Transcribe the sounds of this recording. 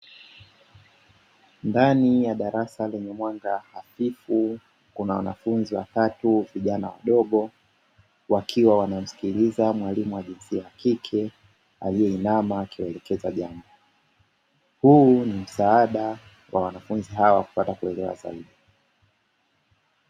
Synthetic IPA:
ndanijaɗaɾasalɛɲɛmwaŋɡahafifu | kunawanafunziwa̰tatuviʄanawa̰ɗɔɠɔ | wakʰiwawanam̩si̥kilizamwalimuwaʄinsiajakikʰɛ | a̰lijɛinamakiwɛlɛkɛzaʄambɔ | hunim̩saaɗa | wʔawanafunziɦawwaku̥patakuɛlɛwa̰za̰iɗi

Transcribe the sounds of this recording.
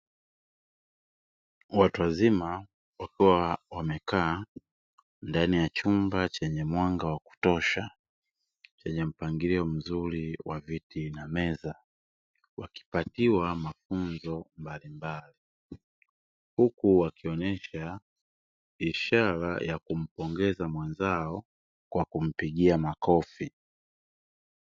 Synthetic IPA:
watuwazima | wakiwawamɛkaː | ndanijat͡ʃumbat͡ʃɛɲɛmwaŋɡawaku̥tɔʃa | t͡ʃɛɲɛm̩paŋɡiɾiɔm̩zuɾiwavitinamɛza | waki̥patiwamafunzɔmbalimbali | hukuwakiɔnɛʃa | iʃaɾa̰jʔakum̩pɔŋɡɛzamwɛnzaɔ | kwakum̩piɠiamakɔfi

